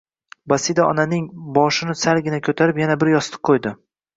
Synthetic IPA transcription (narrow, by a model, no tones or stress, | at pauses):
basid̪aɒnanɪŋbɒʃɪnɪsalɡʲɪnakʲʰɵt̪ʰaɾɪpjanabɪɾjɒst̪ɨ̥q̚qʰːojd̪ɪ